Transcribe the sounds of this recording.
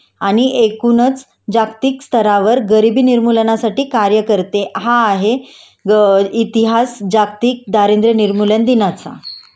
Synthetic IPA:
aɽ̃iʔekunət͡s | d͡ʑakt̪iːkst̪ʰəɾaʋəɾɡəɾibiːniɾmulənasaʈiːkaɾjəkəɾt̪eɦaːɦe | it̪iɦasd͡ʑak̚t̪iːk̚d̪aɾẽnd̪ɾəniɾmulənd̪inat͡sa̰

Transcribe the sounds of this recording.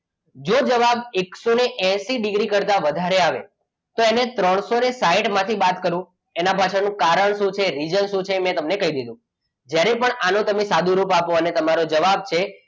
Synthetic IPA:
d͡ʒod͡ʒəʋabeksoneʔɛ̃ʃiɖɪɡɾikəɾt̪aʋəd̪ʱaɾeaʋḛ | t̪oenet̪ɾəɳ̃sonesaiʈmãt̪ʰibat̪kəɾũ | enabʱaʃənũkaɾəɳʃũt͡ʃʰeɾid͡ʒənʃũt͡ʃʰemɛ̃t̪əmnekəid̪id̪ʱũ | d͡ʒjaɾepəɳanõt̪əmesad̪ʱũɾupapoənet̪əmaɾod͡ʒəʋab̚t͡ʃʰe

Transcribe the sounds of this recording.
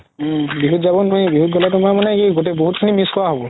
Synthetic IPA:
biɦutzabɔnɔjbiɦut̚ɡɔlɛtɔmamanɛkiɡot̬eboɦut̚kʰinimiskɔwaɦobɔ

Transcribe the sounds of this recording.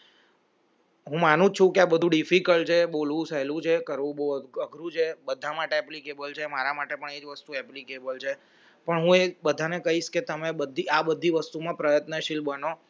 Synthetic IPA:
ɦũmanũt͡ʃʰũkeabəd̪ʱũɖifikəlt͡ʃʰeɓolʋũsɛlũt͡ʃʰekəɾʋũoəɡʱɾũt͡ʃʰebəd̪ʱamaʈeɛplikebəlt͡ʃʰemaɾamaʈepəɳed͡ʒʋəst̪uɛplikebəlt͡ʃʰe | pəɳɦũebəd̪ʱanekəɦiʃket̪əmebəd̪ʱːiabəd̪ʱːiʋəst̪umãpɾəjət̪nəʃilbəno

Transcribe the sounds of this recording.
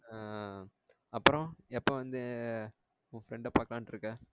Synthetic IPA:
ɐpːɯɾõɛpːoːʋɐnd̪ɯ | ʊfɾɛɳɖɐpaːɾkɐlaːnʈɪɾɯkːɐ

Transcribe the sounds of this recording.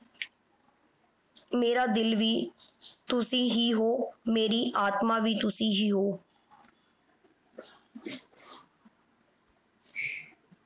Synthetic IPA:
meːɾaːd̪ɪlʋiː | t̪ʊsĩːɦiːɦoːmeːɾiːʔaːt̪maːʋiːt̪ʊsĩːɦiːɦoː

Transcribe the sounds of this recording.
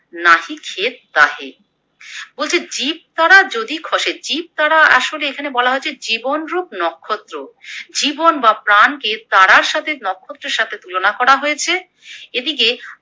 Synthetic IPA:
naɦikʰet̪̚ːaɦḛ | bolt͡ɕʰed͡ʑib̚t̪aɾad͡ʑod̪ikʰɔʃed͡ʑib̚t̪aɾaa̰ʃoleekʰanebɔlaɦoet͡ɕʰed͡ʑibonɾup̚nɔkʰːot̪ːɾod͡ʑibonbapɾanket̪aɾaɾʃat̪ʰenɔkʰːot̪ːɾeɾʃat̪ʰet̪ulonakɔɾaɦojet͡ɕʰe | ed̪ik̬e

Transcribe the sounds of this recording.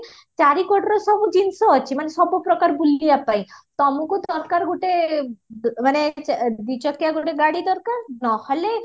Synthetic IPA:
t͡ɕaɾikɔʈɾoʃɔbud͡ʑinsoat͡ɕʰimaneʃɔbopɾɔkaɾbulijapajt̪ɔmukud̪ɔɾkaɾɡoʈe | maned̪it͡ɕɔkijaɡoʈeɡaɽid̪ɔɾkaɾnɔhɔle

